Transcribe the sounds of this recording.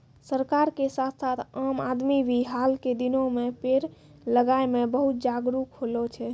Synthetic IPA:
səɾkaɾkesat̪ʰsat̪ʰamad̪mibiɦalked̪inomepeɾ | ləɡaemebəɦut̪̚d͡ʒaɡɾukɦolot͡ʃʰɛ

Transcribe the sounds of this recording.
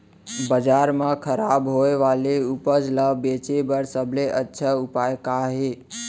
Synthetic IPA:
bəd͡ʒaɾmãkʰəɾabɦoeʋaleupəd͡ʒləbet͡ʃebəɾsəbʱleʔətːʃʰəupajkaɦe

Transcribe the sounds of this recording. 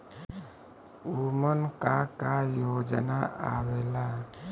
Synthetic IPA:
umənkakajod͡ʒənaa̰wela

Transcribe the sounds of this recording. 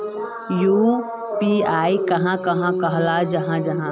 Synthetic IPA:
juː | piaːikɐɦãkɐɦãkɐɦlad͡ʒɐɦãd͡ʒɐɦã

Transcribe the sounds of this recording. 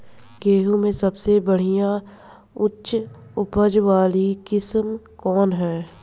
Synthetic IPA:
ɡeːɦumẽsɐbsebɐɽ̤ijã | ʊtːʃ | ʊpəd͡ʒʋaːlikɪsm | kɔːnɦɛː

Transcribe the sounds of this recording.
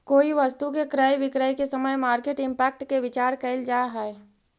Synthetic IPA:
koːiʋəst̪ukekɾajʋɪkɾəkesəməjmaːɾkeʈɪ̃mpɛːk̚ʈkeʋɪt͡ʃaːɾkəɪld͡ʒaːɦɛe

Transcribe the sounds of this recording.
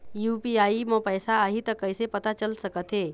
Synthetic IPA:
jupiaiməpəjsaːɦit̪əkəjsepət̪at͡ɕəlsəkət̪ʰe

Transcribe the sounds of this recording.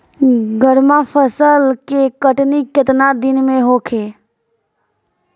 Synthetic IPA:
ɡəɾmapʰəsəlkekəʈniket̪nad̪ɪnmẽɦoːkʰeː

